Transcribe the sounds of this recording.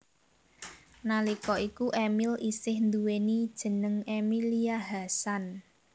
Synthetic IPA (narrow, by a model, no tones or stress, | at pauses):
nalikɔʔikuʔemilisɪhnd̪uwenid̥ʒ̥ə̤nəŋemiliaɦasan